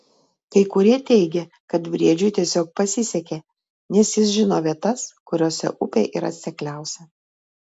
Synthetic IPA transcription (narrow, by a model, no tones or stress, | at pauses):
kɐɪkʊɾʲiɛt̪ʲɛɪɡʲɛ | kɐt̪ʋʲɾʲiɛd͡ʒʲʊɪt̪ʲiɛsʲoːk̚pɐsʲɪsʲɛkʲeː | nʲɛsjɪs̬ʒʲɪnoːʋʲiɛt̪ɐskʊɾʲoːsʲɛ̰ʔʊpʲḛːʔḭːɾɐ̰t̪ʲsʲɛklʲæˑʊsʲɛ